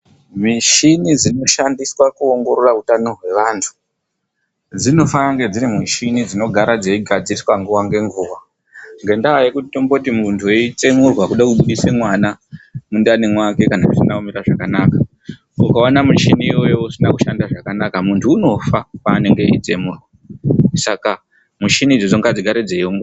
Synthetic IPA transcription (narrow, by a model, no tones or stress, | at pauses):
miʃinid͡zino̞ʃandiswakuoŋɡo̞ɾorautano̞rwe̞ʋaːntʰu̥ | d͡zino̞faaŋɡe̞d͡zirimiʃinid͡zino̞ɡʱaɾad͡zeiɡʱad͡ziiswaŋɡuwaŋɡe̞ŋɡuːwa | ŋɡe̞ndajekutitombotimuntʰuje̞it͡se̞murwakuɗakuɓuɗisemwanamundanimwake̞kanakusinaumiɾaʐakanaka | ukaonamut͡ʃiniːwo̞jousinaku̥ʃandaʐakanakamuntʰuːno̞fapaːne̞ŋɡeḭt͡se̞muːrwa | saka | muʃinid͡zod͡zoŋɡad͡ziɡʱaɾed͡zeiomɡ